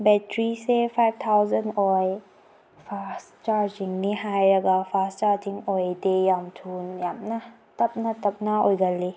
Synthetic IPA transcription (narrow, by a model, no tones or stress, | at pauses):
bɛtɾisefʰajbt̪ʰawzənʔɔj | fʰas | t͡ʃaɾd͡ʒiŋniɦajɾaɡafʰast͡ʃaɾd͡ʒiŋʔɔjdejamt̪ʰunjamna | t̪ɐp̚nat̪ɐp̚naʔɔjɡali